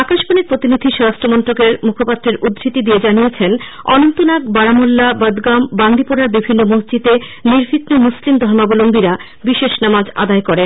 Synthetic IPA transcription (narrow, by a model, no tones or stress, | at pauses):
akaʃboneɾpɾot̪inid̪ʱiʃɔɾastɾomɔnt̪ɾokeɾmukʰopat̪ːɾeɾud̪ɾit̪id̪ied͡ʑanijet͡ɕʰen | ɔnont̪onakbaɾamolːabəd̪ɡamband̪ʱipoɾaɾbibʱinːomuɦd͡ʑit̪eniɾfit̪nomuslimd̪ʱɔɾmabolombiɾa | biʃeʃnamad͡ʑa̰d̪aekoɾe